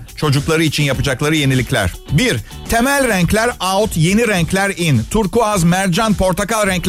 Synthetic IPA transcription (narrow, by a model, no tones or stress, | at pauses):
t͡ʃʰo̞d͡ʒuklˠaɾɯit͡ʃʰinjapɯd͡ʒaklˠaɾɯje̞nilʲiclʲæ̰ɾ̥biɾ | t̪ʰemælʲɾæɲclʲæɾaut̪ʰje̞niɾæɲclʲæɾint̪ʰuɾkuazmæɾd͡ʒanpʰo̞ɾt̪ʰakalʲˠɾɛɲcʲ